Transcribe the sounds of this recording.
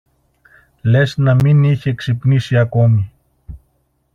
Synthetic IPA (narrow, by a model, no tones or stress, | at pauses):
lesnaminiçekʃipniʃiakomi